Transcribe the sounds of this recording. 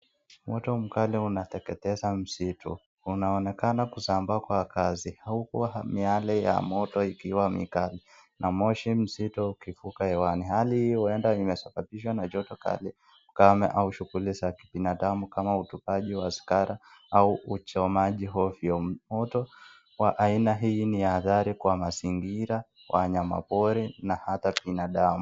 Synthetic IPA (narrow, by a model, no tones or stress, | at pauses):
mɔtɔm̩kaliunat̪ɛkɛtɛzam̩sitʰu | unaɔnɛkanakusambakwakazihaukuaamialɛja̰mɔtɔikiwamḭkalinʔamɔʃim̩sitɔukifukaɛwanihalihijɔɛndaimɛsabapiʃ̬wanad͡ʒɔtɔka̰li | kamɛ̰ʔauʃuɣulisaki̥pinaɗamukamautupaʄiwasi̥kaɾa | auut͡ʃɔmaʄiɦɔfiɔmɔtɔ | waʔainaɦiniaðaɾikwamaziŋɡiɾa | wʔaɲama̰pɔɾɛnahatapinaɗamu